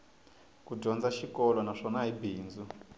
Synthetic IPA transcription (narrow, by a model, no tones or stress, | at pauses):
kudʱɔnd͡zaʃikɔlɔnaʂɔnaibʱiːnd͡zu